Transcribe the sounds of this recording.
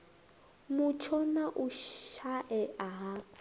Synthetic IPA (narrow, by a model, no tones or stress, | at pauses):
mut͡ʃʰɔnaʔuʃaʔɛʔaɦa